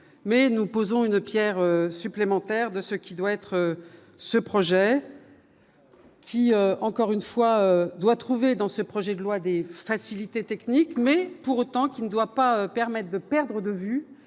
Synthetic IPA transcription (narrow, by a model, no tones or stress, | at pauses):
mɛnupozɔ̃ynpjɛʁøsyplemɑ̃t̪ɛʁd̪əsəkʲid̪waɛt̪χə | səpχɔʒɛ | kʲʰiøɑ̃kɔʁynfwaød̪wat̪χuved̪ɑ̃səpχɔʒɛd̪əlwad̪efasilit̪et̪ɛknikmɛpuʁot̪ɑ̃kʲinəd̪wapaøpɛʁmɛt̪̚χd̪əpɛʁd̪ʁəd̪əvy